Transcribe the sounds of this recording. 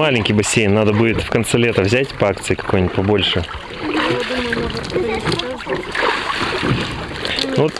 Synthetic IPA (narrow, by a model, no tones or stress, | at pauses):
alʲɪnʲkʲijbɐsʲejnːad̪əbudʲɪt̪fkɐnt̪sɛlʲet̪əvzʲætʲpɐak̚t̪sɨɪkɐ̥kojnʲɪtʲpɐbo̞lʲʂɨ | nt̪